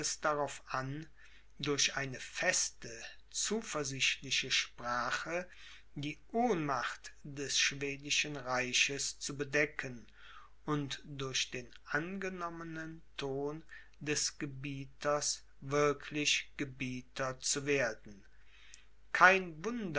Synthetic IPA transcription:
ɛsd̥aʁaʊfʔan | dʊɐɕʔaɪnəfɛstə | t͡suːfɛɐzɪʃtlɪʃəʃpʁ̥aːχə | diːʔoːnmaχtd̥ɛsʃv̥eːdɪʃənʁaɪʃəst͡subədɛkʰən | ʔʊntd̥ʊɐʃd̥eːnʔanɡənɔmənəntʰoːn | dɛsɡ̥əbiːtʰɐs | vɪɐkʰlɪʃɡ̥əbiːtʰɐt͡suveːɐdn̩ | kʰaɪnvʊnd

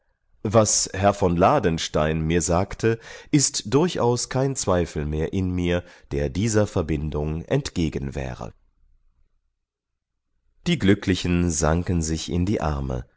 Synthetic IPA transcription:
vashɛɐfɔnlaːdənʃtaɪnmiːɐzaːktʰəʔɪstd̥ʊɐçʔa̰ʊskʰaɪnt͡sv̥aɪfl̩meːɐʔɪnmiːɐd̥eːɐdiːzɐfɛɐbɪndʊŋʔɛ̰ntɡ̥eːɡənvɛ̰ːʁə̰ | d̥iːɡlʏklɪçənzaŋkənzɪçɪ̰ndiːʔa̰ɐmə̰

